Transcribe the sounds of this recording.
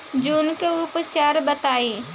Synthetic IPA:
d͡ʒuːnkeʊpt͡ʃaːɾbət̪aːiː

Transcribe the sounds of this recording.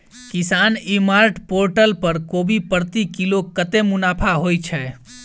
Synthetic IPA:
kisaːnimaːɾʈpoɾʈəlpəɾkoːbipəɾt̪ikilokət̪emʊnaːpʰaɦojt͡ʃʰɛ

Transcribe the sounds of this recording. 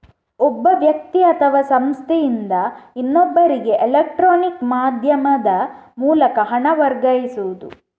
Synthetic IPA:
ɔbːɐʋjɐk̚t̪iɐt̪ʰɐʋɐsɐmst̪ʰejind̪ɐinːobːɐɾiɡe̞ʔelek̚ʈɾoːnikmaːd̪ʱjɐmɐd̪ɐmuːlɐkɐɦɐɳɐʋɐɾɡɐjisuʋud̪u

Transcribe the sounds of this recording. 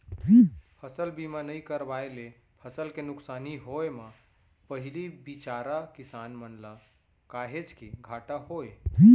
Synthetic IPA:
pʰəsəlbimanəjkəɾbajlepʰəsəlkenʊksaniɦoema | pəɦilibit͡ʃaɾakisanmənla | kaɦet͡ʃkiɡʱaʈahoe

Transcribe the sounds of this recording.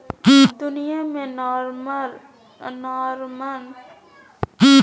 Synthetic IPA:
d̪ʊnijamẽnɾm | nɔɾman

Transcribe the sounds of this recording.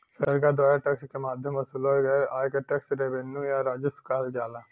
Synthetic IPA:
sɐɾɡad̪ʋaːjaʈɐkskemaːd̪ʱjɐmʋɐsulɦojɡɐeʔaːjkeʈɐksɾebenːujaɾaːd͡ʒuskaːld͡ʒaːla

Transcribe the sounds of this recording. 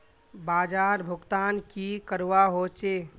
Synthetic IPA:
baːd͡ʒaːɾbʱʊɡt̪aːnkikəɾwaɦot͡ʃe

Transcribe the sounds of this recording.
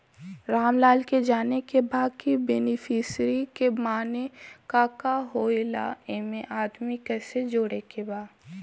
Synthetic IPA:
ɾaːmlaːlked͡ʒaːnekebaːɡkibenɪfʰɪsɾikemaːnekaːkaɦoːila̰eːmẽʔaːd̪mikɛːsed͡ʒoːɽekebaːd̪

